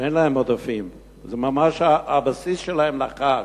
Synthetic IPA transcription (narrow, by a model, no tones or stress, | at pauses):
enlaemod̪afim | zemamaʃaabasisʃelahemlaχa